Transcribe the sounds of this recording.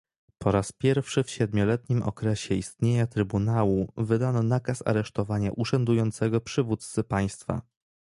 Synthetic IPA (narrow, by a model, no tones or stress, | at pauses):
pɔɾaspʲjɛɾfʂɘfɕɛd̪mʲɔlɛt̪ɲimʔɔ̰kɾɛɕɛist̪ɲeɲat̪ɾɘbunawuvɘd̪anɔnakasa̰ɾɛʂt̪ɔvaɲa̰ʔuʂɛnd̪ujɔnt̪sɛɡɔpʂɘvut̪t̪sɘpaj̃st̪fa̰